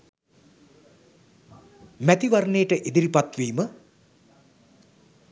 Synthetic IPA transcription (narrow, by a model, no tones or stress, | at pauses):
mæt̪iʋarnejəʈəʔid̪iɾipat̪ʋiːmə